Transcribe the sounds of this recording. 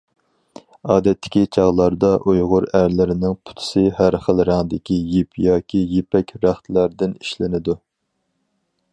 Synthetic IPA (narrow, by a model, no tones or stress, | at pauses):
ɑːd̪ɛt̪ʰːɪ̥kʲit͡ʃʰɑʁlˠɑɾd̪ɑʔujʁʊɾæɾlɪɾɪnɪŋpʰʊ̥t̪ʰʊ̥sɨhæɾχəlˠɾɑŋd̪ɪkʲijipʰjɑːkʲʰijepɛkʲɾæχt̪ʰlæɾd̪ɪniʃlɪnɪd̪u